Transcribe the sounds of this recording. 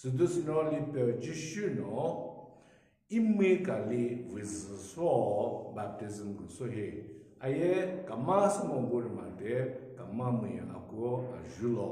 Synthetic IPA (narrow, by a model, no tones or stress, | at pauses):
sɨdusɨnɔlipɛd͡ʒiʃunɔ | imekalivizɨsɔbap̚tizimɡusoɦeajɛkamasumɔɡoɾima̰tɛkamamijã̰a̰koa̰ʒulɔ